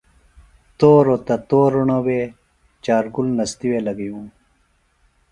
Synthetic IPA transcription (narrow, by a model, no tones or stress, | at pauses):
t̪oːɾot̪ɐt̪oːɾuɳowe | t͡ɕaːɾɡulnɐst̪iwelɐɡijũː